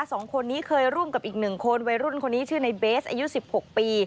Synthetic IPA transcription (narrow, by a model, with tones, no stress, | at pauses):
a˦˥sɔː˩˦ŋkʰo˧nːiː˦˥kʰɤː˧jɾu˥˩əmka˨˩p̚ʔiː˨˩k̚nɯ˨˩ŋkʰo˧nwa˧jɾu˥˩nkʰo˧nːiː˦˥t͡ɕʰɯː˥˩na˧jbeː˦˥sʔaː˧ju˦˥si˨˩p̚ho˨˩k̚piː˧